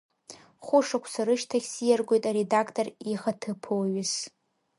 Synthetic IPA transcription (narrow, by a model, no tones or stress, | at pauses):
χʷʊʂakʷʰsaɾɨʃtʰaχʲsijarɡʷo̞jtʼaɾedakʰtʼoriχatʰɨpʰowɥɪs